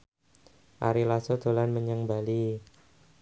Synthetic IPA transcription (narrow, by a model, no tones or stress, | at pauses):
ʔa̰ɾilasod̪̥o̤lanməɲəŋbali